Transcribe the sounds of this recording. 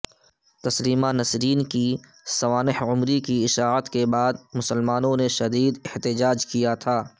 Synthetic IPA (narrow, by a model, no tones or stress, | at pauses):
t̪ɐsliːmanɐsɾiːnki | sɐʋaːnɪhʊmɾikiɪʃaːət̪kebaːd̪̚mʊsəlmaːnõneʃɐd̪iːd̪ɪht̪ɪd͡ʒaːd͡ʒkijat̪ʰaː